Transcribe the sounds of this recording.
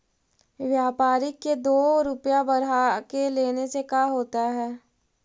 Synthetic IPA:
ʋjaːpaːɾɪkːed̪oːɾʊpjabɐɾakeleːnesekaːɦoːt̪aɦɛː

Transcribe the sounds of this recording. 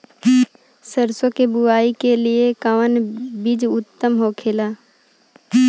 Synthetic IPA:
səɾsõkebʊaːikeliekaʋənbid͡ʒʊt̪ːəmɦokʰeːlaː

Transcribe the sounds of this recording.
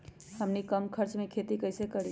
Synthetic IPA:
həmnikəmkʰəɾt͡ʃmekʰet̪ikəɪsekəɾi

